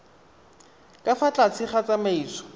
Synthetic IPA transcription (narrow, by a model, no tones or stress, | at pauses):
kʼafat͡ɬʼat͡sʰɪχat͡samaiːt͡sɔ̥